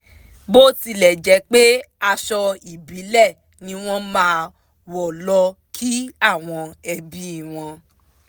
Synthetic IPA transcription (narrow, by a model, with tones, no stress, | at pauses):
bo˦ti˧lɛ˨d͡ʒɛ˨˦k͡pe˦ | a˧ʃɔ˧i˨bi˨˦lɛ˦˨ | nĩ˧w̃ɔ̃˦mãː˨˦ | wɔ˨lɔ˧kʰi˦a˦˨w̃ɔ̃˧ɛ˧bi˨˦˨w̃ɔ̃˧